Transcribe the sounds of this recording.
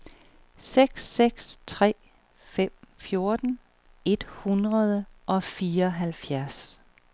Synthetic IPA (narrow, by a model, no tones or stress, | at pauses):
seɡ̥sːeɡ̥st͡sʰʁɛ̰ː | fem̰fjo̝ɐd̥n̩ | e̝d̥hunʁɐð̞ˠəʔɒ̽fiːɐɒɦælfjæɐs